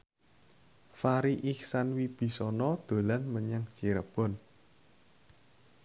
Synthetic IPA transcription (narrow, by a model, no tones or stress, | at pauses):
faɾiʔiksanwib̥i̤sɔnɔd̪̥o̤lanməɲaŋ̥t͡ʃiɾəb̥ɔ̤n